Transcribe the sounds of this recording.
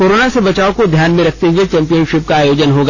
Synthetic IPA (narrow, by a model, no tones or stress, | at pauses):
koːɾoːnasebɐt͡ʃaːokod̪ʱjaːnmẽɾɐkʰt̪eɦuet͡ʃɛ̃ːmpijənʃɪp̚kaaːjoːd͡ʒənɦoːɡa